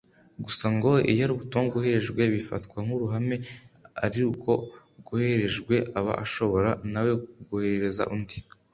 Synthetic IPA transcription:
ɡusaŋɡo̞ḭjaɾuβutumaβɡuhe̞ɾe̞ʒɡwe̞βifa̰tkwaŋ̥uɾuɦame̞a̰ɾiuko̞ | ɡuhe̞ɾe̞ʒɡwe̞ʔaβa̰ʔa̰ʃo̞βo̞ɾanaweɡuhe̞ɾeɾe̞za̰ʔundi

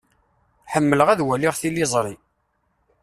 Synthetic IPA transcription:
ħəmːələʁæðwæliʁθilːizˤɾˤi

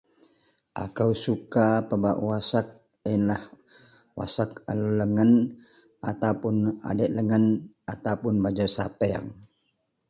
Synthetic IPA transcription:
ʔa̰kawsukapəbaʔwasak̚ | inlah | wa̰sak̚a̰luləŋən | at̪awpʊna̰dɛʔləŋən | at̪awpʊnbad͡ʒasapɛa̰ŋ

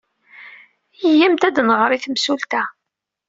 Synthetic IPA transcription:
jjæmt̪æd̪nʁɾiθmsult̪æ

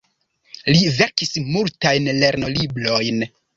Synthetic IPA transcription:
live̞ɾkismultajnle̞ɾno̞libɾo̞jn

